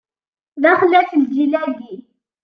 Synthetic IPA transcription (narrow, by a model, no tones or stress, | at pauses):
ðæχlːæθəld͡ʒilæɾɡi